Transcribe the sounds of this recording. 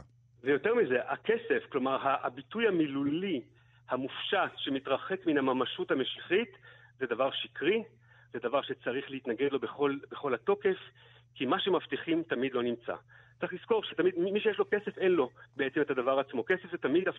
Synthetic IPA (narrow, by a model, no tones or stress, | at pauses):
vejo̞te̞ʁmize̞ʔa̰ke̞se̞fklo̞maʁɦabitujhamiluli | hamufʃatʃe̞mit̪ʁaχe̞kminamamaʃuthameʃiχit̪zedavaʁʃikʁi | zed̪avaʁʃet͡saʁiχleitnaɡedlo̞beχo̞lbeχo̞lhato̞ke̞f | kimaʃemaftiχimtamidlo̞nimt͡sa̰t͡saχlisko̞ʁʃetamidmmiʃejeʃlo̞ke̞se̞fe̞nlo̞beet͡semetadavaʁat͡smo̞kese̞fzetamid̪af